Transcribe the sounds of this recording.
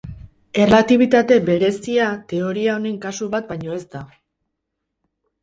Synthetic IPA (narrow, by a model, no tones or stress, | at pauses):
e̞rlat̪iβ̞it̪at̪e̞be̞ɾe̞siat̪e̞o̞ɾiao̞neŋkasuβat̪̚bajɲo̞e̞zt̪a